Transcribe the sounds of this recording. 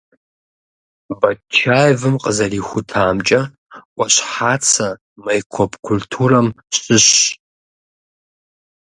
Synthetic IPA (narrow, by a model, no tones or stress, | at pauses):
bat͡ʃʰːajvɨmqʼəzarixʷʊtʰaːmt͡ʃʼɐ | kʷʼaʃʷħat͡sʰa | majkʷʰopkʷʰultʰuɾam | ɕɨʃ